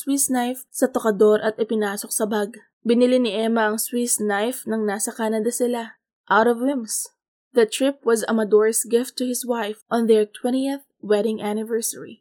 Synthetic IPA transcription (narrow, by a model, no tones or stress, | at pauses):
swisnajfsɐt̪okɐd̪o̞ɾʔɐt̪ɪpɪnaːsok̚sɐbaɡ̚ | bɪnɪlinɪʔɛmɐɐŋswisnajfnɐŋnaːsɐkaːnɐd̪ɐsɪla | ʔawt̪ɔvwɪ̃ms | ðɐt̪ɹɪp̚wɐzɐ̰mɐd̪oɹsɡɪft̪ːʊhɪswajfʔɔ̃nðɛɹt̪wɛniɛθ | wɛdɪŋʔanɪvɛɹsɛɹḭ